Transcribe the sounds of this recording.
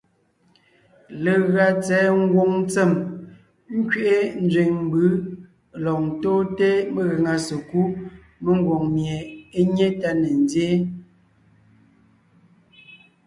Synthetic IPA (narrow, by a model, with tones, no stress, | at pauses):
le˨ɣɰa˨t͡sɛː˨˦ŋ̩˦ɡwo˦˨ŋn˦t͡se˨m | ŋ̩˦kɥe˦˨ʔe˦n̩˦d͡zɥe˨ŋm˦bɯ˦ | lɔ˨n̩˨toː˦te˦me˨ɣə˨ŋa˨se˨ku˦ | me˦ŋ˦ɡwo˨ŋmje˨e˦ɲe˦ta˦ne˨n˦dje˦